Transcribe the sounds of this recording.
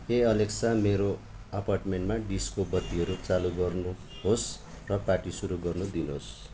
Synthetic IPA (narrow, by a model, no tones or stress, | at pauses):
eʌleksameɾo | ʌparʈmeɳʈmaɖiskobʌt̪ːiɦʌɾut͡saluɡʌrnu | ɦos | rʌpaʈisuɾuɡʌrnud̪inɦos